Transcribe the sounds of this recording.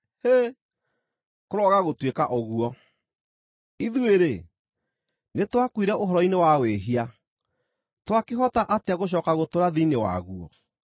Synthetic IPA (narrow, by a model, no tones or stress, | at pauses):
he | koɾɔɣaɣotwekaʔoɣuɔ | iðueɾe | netwakwiɾɛʔoɦɔɾɔinewaweɦia | twakeɦɔtaʔateaɣoɕ̬ɔːkaɣotoɾaðiinewa̰ɣuɔ̰